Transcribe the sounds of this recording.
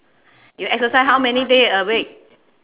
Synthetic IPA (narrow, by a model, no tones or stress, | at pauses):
juɛk̚səsaɪjsɦawmɛnidesəwe